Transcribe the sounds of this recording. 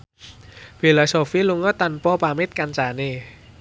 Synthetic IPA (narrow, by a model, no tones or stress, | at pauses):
filɔsofiluŋɔt̪anpɔpamet̪̚kant͡ʃane